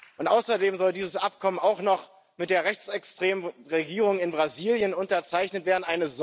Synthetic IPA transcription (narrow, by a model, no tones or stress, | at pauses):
ʔʊntʔaʊsɐdeːmzɔldiːzəsʔap̚kʰɔmənaʊxnɔχ | mɪt̚d̥eːɐʁɛçt͡sɛkstʁ̥eːməʁeɡiːʁʊŋɪnbʁaziːljənʊntɐt͡saɪçnətv̥eːɐdn̩ʔaɪnəz